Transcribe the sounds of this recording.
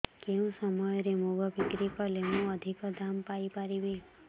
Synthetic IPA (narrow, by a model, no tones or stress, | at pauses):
keũsəmɔjɾemoɡɔbikɾikɔlemũəd̪ʱikɔd̪ʱampaipaɾiʋe